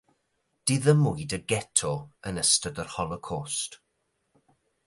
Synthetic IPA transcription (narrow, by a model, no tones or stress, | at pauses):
d̥ɪðəmʊɨdəɡɛtʰɔənəstədərhɔlˠɔkʰɔst